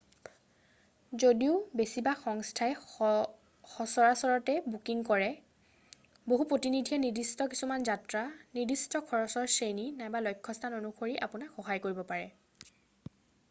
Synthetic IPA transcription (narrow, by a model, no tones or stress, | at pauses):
zodiʊbesibaxɔŋstʰaɛ | xɔsɔɹasɔɹɔtɛbukiŋkɔɹɛ | boɦupɹotinidʱiɛnidistɔki̥sumanzatɹanidistɔkʰɔɹɔsɔɹseninajbalojkʰːɔstʰanonukʰoɹiʔa̰punakxɔɦajkoɹibɔpaɹɛ